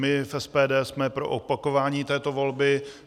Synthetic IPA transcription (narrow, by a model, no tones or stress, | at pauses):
mɪfɛspɛːdɛːsmɛpɾo̞̰ʔopako̞vaːɲiːt̪ɛːt̪o̞vo̞lbɪ